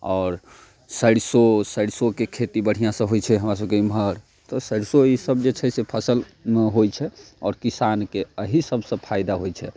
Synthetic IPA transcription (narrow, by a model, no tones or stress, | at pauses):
ɔːɾ | səɽsosəɽsokekʰet̪ibəɽ̤ijãsə̃ɦojt͡ʃʰɛɦəmɾas̬əbkeimɦəɾ | t̪ɔsəɽsoisəb̚d͡ʒet͡ʃʰɛsepʰəsəlɦojt͡ʃʰɛ | ɔːɾkisankeəɦisəbsə̃pʰajd̪aɦojt͡ʃʰɛ